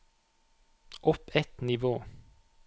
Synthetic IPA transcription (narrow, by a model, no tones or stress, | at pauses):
ʔɔpɛt̪nɪʋoː